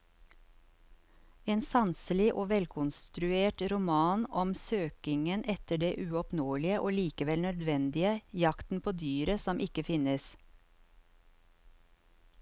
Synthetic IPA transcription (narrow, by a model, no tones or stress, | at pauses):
eːnsɑnsəlɪʔoːʋɛlkʰʊnst̪ɾʉeːʈɾʊmɑːnɔmsøːkɪŋənʔɛt̪əɖeːʔʉːɔpnoːlɪəʔoːliːkəʋɛlnœd̪ʋɛnd̪ɪəjɑkt̪n̩pʰoːd̪yːɾəsɔmʔɪkəfɪnəs